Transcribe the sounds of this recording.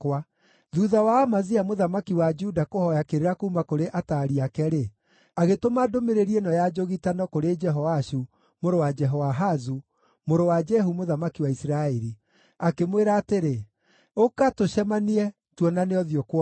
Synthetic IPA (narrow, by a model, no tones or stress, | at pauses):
kwa | ðuðawaːmaziamoðamakiwad͡ʒudakohɔjakeɾeɾakoumakoɾeʔataːɾiakɛɾe | aɣetomadomeɾeɾiɛnɔjad͡ʒoɣitanɔkoɾed͡ʒɛɦɔwaʃu | moɾowad͡ʒɛɦɔwaɦazu | moɾowad͡ʒɛɦumoðamakiwaisiɾaɛɾi | akemweɾaːteɾe | okatoʃɛmaniɛ | twɔnaneɔðjɔkwɔ